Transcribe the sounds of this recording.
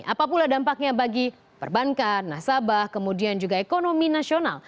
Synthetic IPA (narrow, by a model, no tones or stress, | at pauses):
ʔapapuladampak̚ɲabaɡi | pə̰rbaŋkat̪̚nasabahkəmudiand͡ʒuɡaekonominasiona̰l